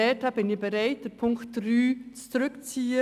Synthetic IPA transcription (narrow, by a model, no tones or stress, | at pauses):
ɛːtab̥ɪnɪb̥eɾaɪt̚d̥ɛpʰʊŋktd̥ryːt͡st͡sɾʏkt͡siːə